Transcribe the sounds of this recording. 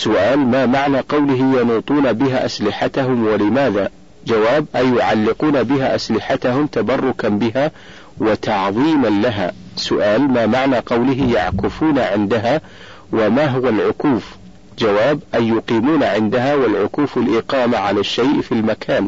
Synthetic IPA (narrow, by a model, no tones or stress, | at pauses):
sʊʔaːlmaːmaʕnaqɑwlɪɦɪjɑnuːt̪ˤuːnabɪɦaʔaslɪħat̪aɦʊmwalɪmaːða | d͡ʒawaːbʔajːʊʕalːɪquːnabɪɦaʔaslɪħat̪aɦʊmt̪abɑrˤːʊkanbɪɦa | wɪt̪ʰɑʕðˤiːmanlaɦa̰ːsʊʔaːlmaːmaʕnaqɑwlɪɦɪja̰ʕkɪfuːnaʕɪnd̪aɦa | wɪmaːɦʊwalʕʊkuːf | d͡ʒawaːbʔajːʊqiːmuːnaʕɪnd̪aɦawɪlʕʊkuːfalʔɪqɑːmaʕalaʃːajʔfilmakʰaːn